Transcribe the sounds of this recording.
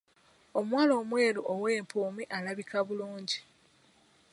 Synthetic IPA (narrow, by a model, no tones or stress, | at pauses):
o̞mwaːlo̞ːmwe̞ːloʔowe̞ːmpuːmiʔalaβikʰaβuluːɲɟi